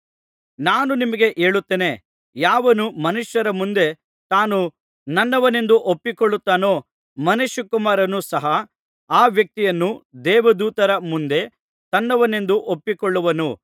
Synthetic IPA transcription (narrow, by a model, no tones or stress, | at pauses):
naːnunimɐɡe̞ʔe̞ːɭut̪ːeːne̞ | jaːʋɐnumɐnuʂjɐɾɐmund̪e̞ | t̪aːnu | nɐnːɐʋɐne̞nd̪uʔopːikɔɭːut̪ːaːno̞ː | mɐneʃɐkumaːɾɐnusɐɦɐ | aːʋjɐk̚t̪ijɐnːud̪ɛːʋɐd̪uːt̪ɐɾɐmund̪e̞ | t̪ɐnːɐʋɐne̞nd̪uʔopːikɔɭːuʋɐnu